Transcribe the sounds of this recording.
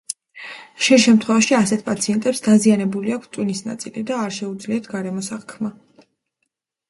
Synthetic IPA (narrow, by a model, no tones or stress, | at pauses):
ʃɛnʃɛmt̪ʰχwɛvaʃiasɛt̪̚ʰpʼat̪sʰiɛnt̪ʼɛpsd̪azianɛbuliakʰst̪ʼwinisna̰t̪sʼilid̪aːɾʃɛud̪zliat̪ʰɡaɾɛmɔsaχkʰma